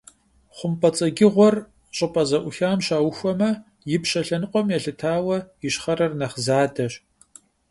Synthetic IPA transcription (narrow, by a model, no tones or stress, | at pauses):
χʷʊmpʰʼɐt͡sʼɐɡʲɪʁʷɔr | ɕʼɨpʼɐzɐʔʷʊxaːmɕaːwxʷɔmɐ | jɪpɕɐɬɐnɨqʷʼɔmjɛɬɨtʰaːwɐjɪɕχɐɾɐrnɐχzaːdɐɕ